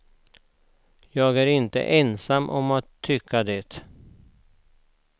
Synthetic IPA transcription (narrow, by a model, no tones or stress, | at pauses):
jɑːɡæːɾɪnt̪ə̰ʔɛnsamːʔɔmat̪ʰːʏkʰːad̪ɛt̪